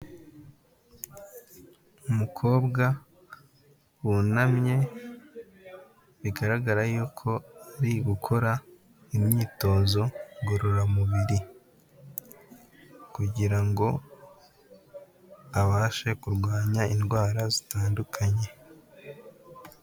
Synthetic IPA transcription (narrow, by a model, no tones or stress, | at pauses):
umukʰo̞ːbɡa | wunamɲe̞ | βiɡaɾaɡaɾajuːkʰo̞aɾiɡukʰo̞ɾa | imɲiːto̞ːzo̞ɡoɾoɾamuβiɾi | kuɟiɾaŋɡo̞ | aβaːʃe̞kuɾɡwaːɲainɡwaːɾazitaːndukʰaɲe̞